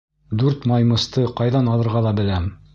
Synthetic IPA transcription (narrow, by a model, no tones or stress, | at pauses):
d̪ʉɾt̪mɑjmɤ̆st̪ɤqɑjðɑnɑlˠɤ̆ɾʁɑlˠɑbɘ̆læm